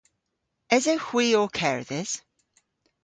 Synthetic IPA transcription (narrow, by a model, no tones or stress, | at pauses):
ɪzəhw̥iəkʰɛɹðɪz̥